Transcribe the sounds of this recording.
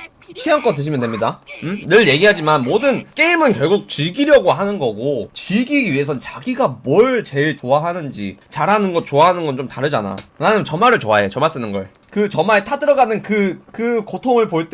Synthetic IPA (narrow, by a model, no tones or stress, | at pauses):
t͡ɕʰiaŋk͈ʌnt̬ɯɕʰimjʌndwemɲidaɯnɯɭje̞ɡiɦad͡ʑimanmodɯnk͈e̞imɯnkjʌɭɡuk̚t͡ɕiɭɡiɾjʌɡoɦanɯnɡʌɡot͡ɕiɭɡiie̞s̬ʰʌnt͡ɕaɡiɡamwʌɭt͡ɕe̞ɭtoaɦanɯnd͡ʑḭt͡ɕaɾɦanɯnɡʌt̚t͡ɕoaɦanɯnɡʌnt͡ɕomtaɾɯd͡ʑana̰ɯnanɯt͡ɕʌmaɾɯɭt͡ɕoaet͡ɕʌmaɭs͈ɯnɯnɡʌɭ | kɯt͡ɕʌmaetʰadɯɾʌɡanɯnkɯkɯkotʰoŋɯɭpoɭt͈